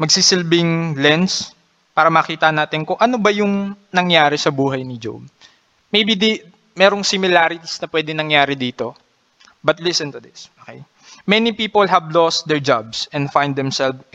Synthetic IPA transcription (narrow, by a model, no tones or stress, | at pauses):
mɐɡ̚sisɪlbɪŋlɛns | paːɾɐmɐkiːt̪ɐnaːt̪ɪnkoŋʔɐnobɐjʊŋnɐŋjaːɾɛsɐbuːɦɐjnɪd͡ʒo̰b̚ | mejbid̪i | mɛːɾoŋsɪmɪlaːɾɪt̪isnɐpwɛd̪ɪŋnɐŋjaːɾɪd̪iːt̪o̞ | bɐt̪̚lɪsɛ̃nt̪ʊd̪ɪsʔoːkḛj | mɛnipiːpolɦɐvlost̪̚d̪ɛɹd͡ʒabsɛ̃nd̪fãjnd̪ɛmsɛlf